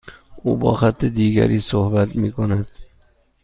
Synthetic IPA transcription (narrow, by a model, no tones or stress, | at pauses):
ʊbɒ̰χat̪ʰːɪd̪iɡʲa̰ɾisohbat̪mɪkʰonad̪̥